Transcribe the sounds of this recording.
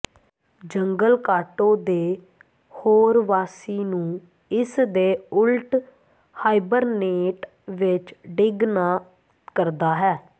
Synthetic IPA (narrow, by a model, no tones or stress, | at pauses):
d͡ʒəŋɡəlkaːʈõːd̪eː | hoːɾʋaːsiːnũː | ɪsd̪eːʊlʈ | haːibəɾneːʈ | ʋɪt͡ʃɖɪɡnaː | kəɾd̪aːɦɛː